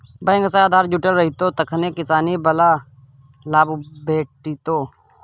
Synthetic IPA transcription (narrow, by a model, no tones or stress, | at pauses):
bə̃ŋɡəsaːaːd̪ʱaːɾd͡ʒuʈəlɾəɦit̪oːt̪ɐkʰneːkɪsaːnibɐlaː | laːbbeːʈit̪oː